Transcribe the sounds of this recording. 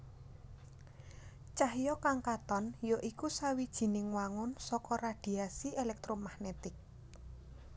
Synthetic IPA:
t͡ʃahjɔkaŋkat̪ɔnjoʔikusawid̥ʒ̥i̤nɪŋwaŋʊnsɔkɔrad̪̥i̤asielɛk̚t̪ɾomahnet̪ɪk̚

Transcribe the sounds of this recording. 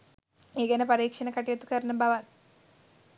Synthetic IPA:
eːɡɐnɐpɐɾiːkʂɐnɐkɐʈːijɐt̪ːukɐɾɐnɐmbʱɐʋaːl

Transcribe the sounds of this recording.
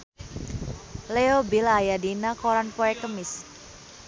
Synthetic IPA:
leobilajadinakoɾanpoɛkəmɪs

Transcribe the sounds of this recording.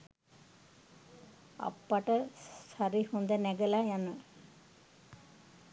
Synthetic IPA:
a̰pːaʈəsaɾihund̪enɛɡelajanə

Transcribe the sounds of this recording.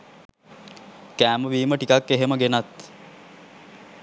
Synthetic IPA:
kæːməʋiːməʈikakːeɦeməɡenat̪

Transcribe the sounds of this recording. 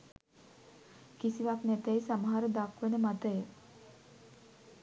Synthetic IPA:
kisiʋaknæt̪ejsaməɦaɾəd̪akʋenəmat̪əjə

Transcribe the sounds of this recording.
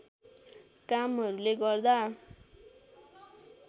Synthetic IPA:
kamɦʌɾuleɡʌrd̪a

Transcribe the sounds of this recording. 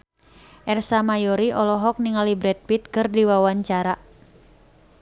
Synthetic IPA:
ʔɛrsamajɔɾiʔɔlɔɦɔk̚niŋalibɾɛd̚pit̪̚kɨrdiwawaɲt͡ʃaɾa

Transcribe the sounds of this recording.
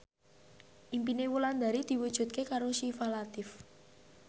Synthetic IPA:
ʔimpinewuland̪a̤ɾid̪̥i̤wud̥ʒ̥ṳt̪̚kekaɾosifalat̪ɪf

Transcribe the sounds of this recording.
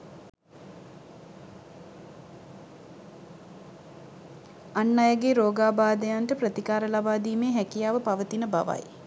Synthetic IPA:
anːajaɡeːɾoːɡaːbaːd̪əjanʈəprət̪ikaːɾəlabaːd̪iːmeːɦɛkijaːʋəpaʋət̪inəba̰ʋa̰j

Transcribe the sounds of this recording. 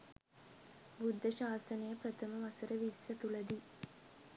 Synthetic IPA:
bud̪ʱːəʃaːsənəjəpɾət̪ʰəməʋasəɾəʋisːɐt̪ulɐd̪i

